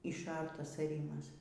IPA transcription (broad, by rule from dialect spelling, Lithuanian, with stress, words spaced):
ɪʃˈɐrtɐs ɐˈrʲiːmɐs